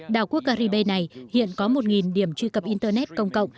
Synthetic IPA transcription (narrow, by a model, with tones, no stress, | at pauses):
ɗaː˨˩wku˦˥ək̚kaː˧ɾi˧ɓe˧jna˨˩jhḭ˧˨ənkɔ˨˦mo˨˩t̚ŋi˨˩nɗi˨˧˩əmt͡ɕwi˧kə˨˩p̚ʔi˧nt̪əː˧nɛ˦˥t̚kə˧wŋ͡mkə̰˧˨wŋ͡m